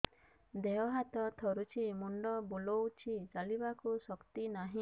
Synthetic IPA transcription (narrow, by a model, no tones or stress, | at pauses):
d̪eɦɔɦat̪ɔt̪ʰɔɾut͡ʃʰimuɳɖɔbulowt͡ʃʰit͡ʃalibakusɔkt̪inaɦĩ